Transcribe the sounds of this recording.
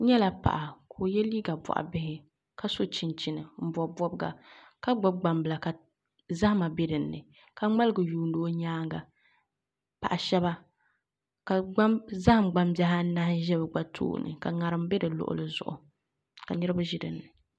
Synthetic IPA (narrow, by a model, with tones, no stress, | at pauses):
ɲɛ˦la˨pa̰˨ʔa˨kʰo˨jɛ˦liː˦ɡa˨bɔ̰˨ʔa̰˨bɪ˦hɪ˦ | ka˦so˦t͡ʃi˨nt͡ʃi˨nɨ˨m̩˦bɔ˨bɔ˦bɡa̰˨ | ka˦ɡ͡ba˦ɡ͡ba˨mbɨ˨la˨ka˨ | za˦hma˨be˦dɨ˨nːɨ̰˨ | ka˨ŋ͡ma˦lɨ˦ɡɨ˨juː˨ndo˦o˦ɲaː˦ŋɡa˨ | pa˨ʔa˨ʃɛ˦ba˦ | ka˨ɡ͡ba˦mza˦hɨ˦mɡ͡ba˨mba˦ɦa˦na˦hɪ˦ʒɛ˦bɨ˨ɡ͡ba˦tʰṵː˦˨nɨ̰˨ka˨ŋa˨ɾɨ˨mbɛ˦dɨ˨lʊ̰˨ʔʊ̰˦lɨ˦zʊ̰˨ʔʊ̰˨ | ka˨nɨ˦ɾɨ˦ba˦ʒɪ˦dɨ˨nːɨ˨